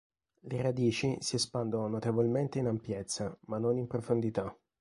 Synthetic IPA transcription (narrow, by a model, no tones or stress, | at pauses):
lerad̪iːt͡ʃisiɛspand̪ononot̪evolment̪einampjet̪sːamanːonimpɾofond̪it̪a